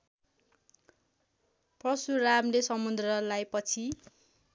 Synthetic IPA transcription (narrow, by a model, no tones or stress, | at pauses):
prʌsuramlesʌmud̪rʌlajpʌt͡sʰi